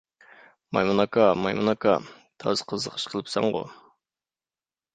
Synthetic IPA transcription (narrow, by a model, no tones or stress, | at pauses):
mɑ̰jmunɑkɑmɑjmunɑkʰɑ | t̪ʰɑ̰zqʰəzəqʰə̥ʃqʰəlˠɨpsɑ̰ɴʁʊ̰